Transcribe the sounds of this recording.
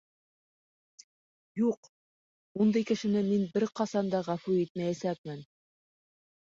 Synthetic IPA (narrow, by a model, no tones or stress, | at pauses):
juq | und̪ɤjkɘ̆ʃɘ̆nɘminbɘɾqɑsɑnd̪ɑʁæfʉit̪̚mæjæsæk̚mɘn